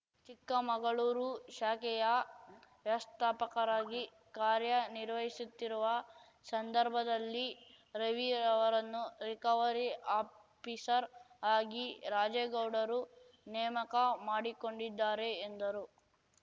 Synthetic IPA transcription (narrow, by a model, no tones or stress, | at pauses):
t͡ʃikːɐmɐɡɐɭuːɾuʃaːkɛjɐʋjɐʋɐst̪ʰaːpɐkɐɾaːɡi | kaːɾjɐniɾʋɐɦisut̪ːiɾuʋɐ | sɐnd̪ɐɾbʱɐd̪ɐlːi | ɾeʋiːɾɐʋɐɾɐnːuɾikɐːʋɐɾiaː | pisɐɾ | aːɡiɾaːd͡ʒeːɡɐwɽɐɾu | nɛːmɐkɐmaːɽiko̞ɳɖid̪ːaːɾeːnd̪ɐɾu